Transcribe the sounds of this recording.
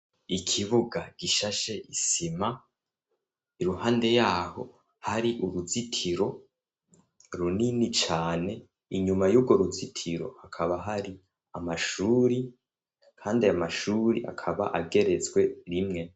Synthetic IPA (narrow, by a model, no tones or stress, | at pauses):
ikʰiβuɡaɡ̥iʃaʃe̞ʔisima | iɾuhaːnde̞jaːho̞̰ | haɾiʔuɾuzitʰiɾo̞ | ɾuninit͡ʃaːne̞ | iɲumajuːb̚ɡo̞ɾuzitʰiɾo̞̰akʰaβaɦaɾi | amaʃuːɾi | kʰaːndiamaʃuːɾiʔa̰kʰaβa̰ʔaɡe̞ɾet͡sɡwe̞ɾimŋe̞